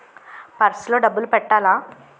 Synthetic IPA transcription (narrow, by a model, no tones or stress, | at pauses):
paɾsloɖəbəlpɛɽʈala